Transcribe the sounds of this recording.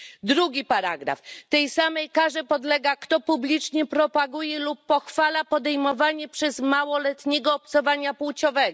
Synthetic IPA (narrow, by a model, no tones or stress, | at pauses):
d̪ɾuɡʲipaɾaɡɾa̰ft̪ɛjsamɛjkaʐɛpɔd̪lɛɡakt̪ɔpublʲit͡ʂɲɛpɾɔpaɡujɛlupːɔxfalapɔd̪ɛjmɔvaɲɛpʂɛzmawɔlɛt̪ɲɛɡɔːpt̪sɔvaɲapuwt͡ɕɔvɛɡɔ